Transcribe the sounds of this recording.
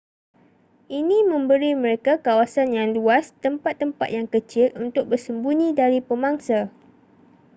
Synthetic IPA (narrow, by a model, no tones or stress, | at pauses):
ʔinĩmə̃mbəɾimə̃ɾekakawasanjaŋluast̪əmpat̪ːəmpa̰t̪̚jaŋkət͡ʃɪlunt̪ʊk̚bərsəmbunĩdaɾipəmaŋsa